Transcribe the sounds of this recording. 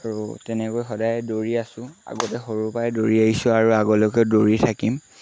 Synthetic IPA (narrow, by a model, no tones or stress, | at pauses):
aɹṵtɛnɛkojxɔdajɛdoɹiasʊ̃a̰ɡɔtɛxoɹupajdoɹiaɦisʊaɹuaɡɔlɔkɛdoɹitʰakim